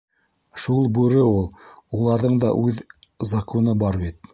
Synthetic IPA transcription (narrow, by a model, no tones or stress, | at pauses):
ʃulˠbʉɾɘulˠulˠɑɾðɤɴd̪ɑ̰ʔʉð | zɐkʰonɤbɑɾbit̪